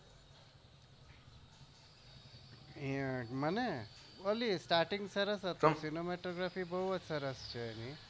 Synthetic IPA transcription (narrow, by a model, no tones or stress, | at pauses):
iməne | əlisʈaɾʈiŋɡsəɾəsət̪osinomeʈoɡɾafibəɦuəd͡ʒsəɾəst͡ʃʰeːni